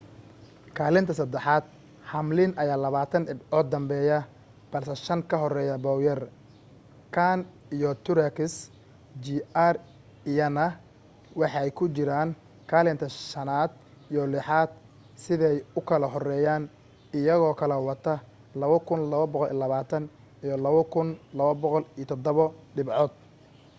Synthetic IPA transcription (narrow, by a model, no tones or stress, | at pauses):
kʰaːlɪnt̪ʰɐsɐd̪ɛħɑːd̪̥ | hɐmlɪnʔɐjaːlɐβaːt̪ʰɐnɪɔːd̪ɐmbɛːjɐ | b̥ɐlsɛʃɐŋkʰɐɦɔrɛːjɐbɔwjɐr | kʰan | ijɔt̪ʰʊɾɛkɪs | d͡ʒiar | ijɐnɐ | wɑħɑɛjkʰʊt͡ʃɪɾaːn | kʰalɛnt̪ʰɐʃɐnaːd̪ | ijɔlɪħaːd̪̥̚ | sɪðɛjʊkʰɐlɐɦɔrɛːjaːn | ɪjɐɣɔːkʰɐlɛwɑt̪ʰɐ | lɐβɐkʰʊnlɐβɐbɔqɔlʔḭlɐβaːt̪ʰɐn | ijɔlɐβɐkʰʊnlɐβɐbɔqɔlit̪ʰɔd̪ɔβɔɖɪbʕɔːd̪̥̚